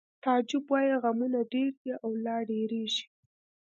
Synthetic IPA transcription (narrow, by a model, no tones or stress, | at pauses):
t̪ad͡ʒɪbwajeɣamunaɖeɾd̪iʔawlɑɖeɾeʒi̥